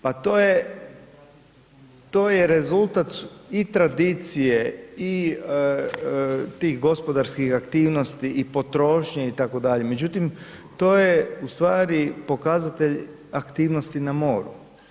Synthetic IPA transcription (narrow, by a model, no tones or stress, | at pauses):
pat̪oːje | t̪o̞ːjeɾezulˠt̪at̪it̪ɾad̪it̪sijei | t̪iːxɡo̞spo̞d̪aɾskixakt̪iːʋno̞st̪iʔːpo̞t̪ɾo̞ːʃɲeit̪ako̞d̪aʎe̞me̞d͡ʒut̪im | t̪o̞ːjeust̪ʋaːɾipo̞kazat̪e̞ʎ | akt̪iːʋnost̪inamo̞ːɾṵ